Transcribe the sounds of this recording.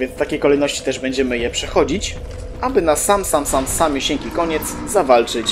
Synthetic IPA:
vʲjɛnst̪akʲejkɔlɛjnɔɕt͡ɕi̥t̪ɛʐbɛɲd͡ʑɛmɘjɛpʂɛxɔd͡ʑit͡ɕ | ʔabɘnasamsamsamsamʲjoɕɛŋkʲikɔɲɛt̪s | zavalt͡ʂɘt͡ɕ

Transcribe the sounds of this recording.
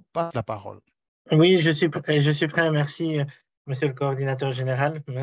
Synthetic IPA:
paslapaʁɔ̰l | wiʒəsɥipɛʒəsɥipχɛmɛʁsi | məsjøləkɔːʁd̪inat̪œʁʒeneʁalmə

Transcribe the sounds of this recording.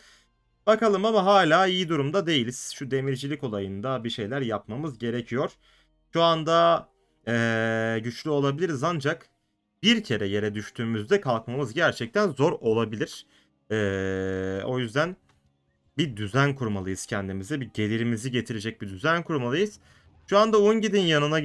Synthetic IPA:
bakalˠɯmamaɦaːlʲaːijid̪uɾumd̪ad̪e̞jilʲiz̥ʃud̪e̞miɾd͡ʒilʲiko̞lˠajɯnd̪abiʃe̞jlʲæɾjap̚mamɯzɟe̞ɾecʰijo̞ɾ̥ | ʃuand̪a | ɛɟyt͡ʃlʲyo̞lˠabilʲiɾizand͡ʒak | b̥iɾcʰe̞ɾɛje̞ɾɛd̪yʃt̪ʰyːmyzd̪ɛkʰalˠkmamɯzɟæɾt͡ʃʰɛc̚t̪ʰænzo̞ɾo̞lˠabilʲiɾ̥ | ɛː | o̞̰jyzd̪æn | bid̪yzænkʰuɾmalˠɯjɯz̥cʰɛnd̪imizɛbiɟe̞lʲiɾimiziɟe̞t̪ʰiɾe̞d͡ʒɛc̚bid̪yzænkʰuɾmalˠɯjɯz̥ | ʃuand̪aunɟid̪injanɯna

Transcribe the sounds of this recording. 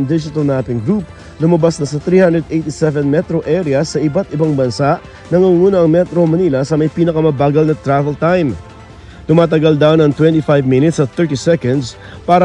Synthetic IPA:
ŋd̪ɪd͡ʒɪt̪ɐlnaːt̪ɪŋɡɾup̚ | lʊmɐbasnɐsɐt̪ɾiːhãnd̪ɾɛd̪ʔejt̪isɛvɛnmɛt̪ɾoʔɛɾjɐsːɐʔɪbat̪ʔɪbaŋbɐnsaʔ | nɐŋuŋuːnɐʔɐŋmɛt̪ɾomɐniːlɐsɐmɐjpiːnɐkɐmɐbaːɡɐlnɐt̪ɾavɛlt̪ajm | t̪ʊmaːt̪̬ɐɡald̪awnɐŋt̪wɛnt̪ifajvmɪnɪt̪sɐt̪ɛɹt̪isɛkɐnd̪s | paːɾɐ

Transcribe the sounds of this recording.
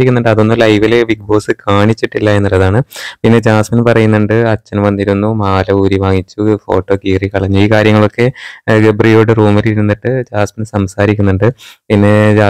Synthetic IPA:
ɾikʲːunːuɳɖɨɐðo̞nːulɐjʋileʋiɡ̚bo̞ːsɨkʰaːɳit͡ɕːiʈːilːɐe̞nːulːɐðaːɳɨpinːe̞d͡ʑaːsmɐnpɐrɐjunːuɳɖɨɐt͡ɕːɐnʋɐnːiɾunːumaːlɐuːɾiʋaːŋit͡ɕːufo̞ːʈːo̞ːkiːrikɐɭiɲːuiːkaːɾjɐŋːɐɭo̞kːe̞ɡebrijoːɽɨruːmɐliɾunːiʈːɨd͡ʑaːsmɐnsɐmsaːɾikʲːunːuɳɖɨpinːe̞d͡ʑaː

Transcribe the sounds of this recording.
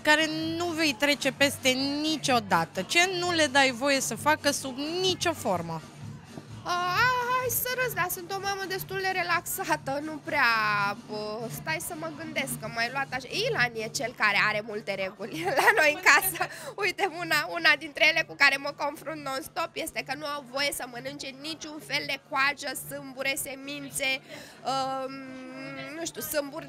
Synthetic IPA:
kaɾe̞nuve̞jt̪ɾe̞t͡ʃe̞pe̞st̪e̞nit͡ʃo̞d̪at̪ət͡ʃe̞nule̞d̪ajvo̞je̞səfakəsubnit͡ʃo̞fo̞rmə | əaajsəɾəsd̪asunt̪o̞maməd̪e̞st̪uld̪e̞ɾe̞laksat̪ənupɾeabəst̪ajsəməɡɨnd̪e̞skkːəmajluat̪aʃailanjet͡ʃe̞lkaɾe̞aɾe̞mult̪e̞ɾe̞ɡulʲlano̞jɨŋkasəujt̪emunaunad̪int̪ɾejele̞kukaɾe̞məko̞nfɾunt̪̚nounst̪o̞pje̞st̪e̞kənuawvo̞je̞səmənɨnt͡ʃe̞nit͡ʃʲunfe̞ld̪e̞kwaʒəsɨmbuɾe̞se̞mint̪se̞əm | nuʃt̪usɨmburʲ

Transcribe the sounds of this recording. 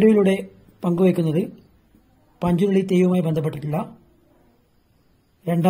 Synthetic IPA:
ɽujiɭuɽe | pɐŋɡuʋekːunːɐðɨ | pɐɲd͡ʑuɣɐɭit̪ejʋɐmaːjibend̪ʱɐp̬ːeʈːiʈːiɭːɐ | ɾeɳɖa

